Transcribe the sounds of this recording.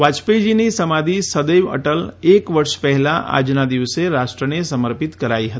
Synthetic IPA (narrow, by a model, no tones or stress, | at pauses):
ʋaːt͡ʃped͡ʒinesəmaːd̪ʱisəd̪eːʋə̰ʈəleːkʋɐɾʃpɛɦlaʔa̰ːd͡ʒnad̪ɪʋseɾaːʃʈɾənesəməɾpɪt̪kɐɾaːiɦɐt̪i